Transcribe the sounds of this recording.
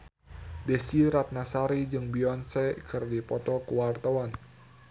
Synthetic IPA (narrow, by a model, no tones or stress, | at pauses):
dɛsiɾat̪̚nasaɾid͡ʒɨŋbiɔnsɛkɨrdipɔt̪ɔkəwart̪awan